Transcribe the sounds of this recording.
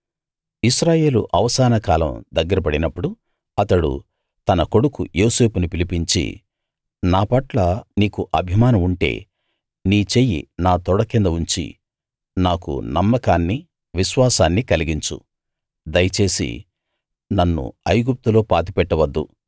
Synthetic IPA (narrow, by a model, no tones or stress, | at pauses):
iʃɾaːje̞ːlṵʔɐʋɐsaːnɐkaːlɐ̰md̪ɐɡːɐɾɐp̬ɐɽinɐpːuɽu | ɐt̪ɐɽṵ | t̪ɐnɐko̞ɽukṵjoːse̞ːpunipilipiɲt͡ʃḭ | naːpɐʈlɐniːkuʔɐbʱimaːnɐmuɳʈe̞̰ː | niːt͡ʃe̞ːjḭnaːt̪ɔɽɐkind̪ɐuɲt͡ʃḭ | naːkṵnɐmːɐkaːnːi | ʋiʃʋaːsaːnːikɐliɡiɲt͡ʃṵ | d̪ɐjɐt͡ʃe̞ːsḭ | nɐnːṵɐjɡup̚t̪ulo̞ːpaːt̪̬ipɛʈːɐʋɐd̪ːṵ